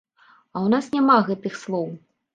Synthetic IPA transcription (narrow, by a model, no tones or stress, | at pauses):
ɐwnasnʲamaɣɛt̪ɨxslˠɔw